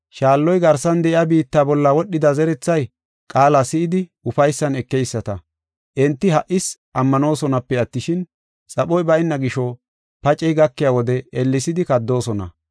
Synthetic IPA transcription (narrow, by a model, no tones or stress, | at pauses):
ʃaːlːɔjɡɐɾsɐnd̪ɛʔɪabiːt̪ːaːbɔlːɐwɔɗːɪd̪ɐzɛɾɛt͡sːɐj | kʼaːlasɪɪd̪ɪʊfɐjsːɐnɛkːɛjsːɐt̪ɐ | ʔɛnt̪ːɪɦɐʔɪsʔɐmːɐno̞ːsɔnɐpːɛɐt̪ːɪʃɪn | t͡sʼɐɓɔjbɐjɪnːɐɡɪʃɔ | pɐt͡ʃʼɛjɡɐkːɪjaːwɔd̪ɛɛlːɪsɪd̪ɪkɐd̪ːo̞ːsɔnɐ̰